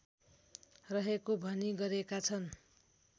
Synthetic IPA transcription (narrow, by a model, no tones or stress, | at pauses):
rʌɦekobʱʌniɡʌɾekat͡sʰʌn